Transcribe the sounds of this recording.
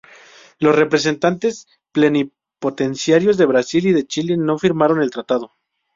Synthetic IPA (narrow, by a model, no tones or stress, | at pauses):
lo̞sre̞pɾe̞s̬e̞nt̪ant̪e̞s | ple̞ni | po̞t̪e̞nsjaɾjo̞zðe̞βɾasiliðe̞t͡ʃile̞no̞fiɾmaɾo̞ne̞lt̪ɾat̪að̞o̞